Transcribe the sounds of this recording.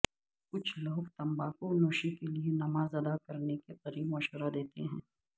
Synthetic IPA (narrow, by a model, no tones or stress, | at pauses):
kʊt͡ʃʰlɐɦkt̪ɐ̃mbakonoːʃikelienɐmaːzɐd̪akɐɾnekeqɐɾiːbmɐʃəɾad̪eːt̪eɦɛ̃ː